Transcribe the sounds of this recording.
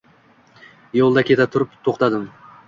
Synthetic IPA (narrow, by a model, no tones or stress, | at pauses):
jolˠd̪ɑkʲʰe̞t̪at̪ʰʊɾɪp̚t̪ʰoqt̪ɑd̪ɨm